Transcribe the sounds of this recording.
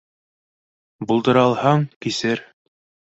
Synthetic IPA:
bulˠd̪ɤ̆ɾɑlˠhɑŋkisɘɾ

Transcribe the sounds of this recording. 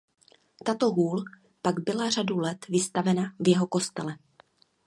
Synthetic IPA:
t̪at̪o̞ɦuːl | paɡbɪlaradulɛt̪vɪst̪avɛnavjɛɦo̞ko̞st̪ɛlɛ

